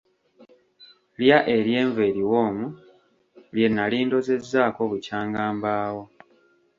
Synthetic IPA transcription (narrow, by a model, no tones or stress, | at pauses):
ljaʔe̞ɾje̞ːɱveːɾiwo̞ːmu | lje̞nːaliːndo̞ze̞zːaːko̞βucaːŋɡaːmbaːwo̞